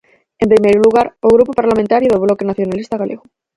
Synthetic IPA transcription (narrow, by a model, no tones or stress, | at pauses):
e̞mpɾimejɾuluɣaɾoɣɾupopaɾlamẽnt̪aɾjoðeβlokenaθjo̞nalist̪aɣalʔeɣo